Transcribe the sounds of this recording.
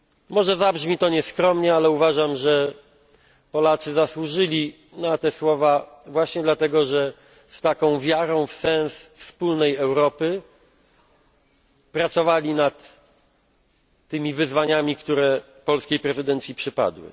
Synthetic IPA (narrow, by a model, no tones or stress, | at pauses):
mɔʐɛzabʐmʲit̪ɔɲɛskɾɔmɲɛalɛuvaʐamʐɛ | pɔlat̪sɘzaswuʐɘlʲi | nat̪ɛswɔva | vwaɕɲɛd̪lat̪ɛɡɔʐɛ | st̪akɔ̃w̃vʲjaɾɔ̃w̃fsɛ̃ñsfspulnɛjɛwɾɔpɘ | pɾat̪sɔvalʲinat̪ | ɘmʲivɘzvaɲamʲikt̪uɾɛ | pɔlskʲejpɾɛzɘd̪ɛnt̪sʲjipʂɘpa̰d̪wɘ̰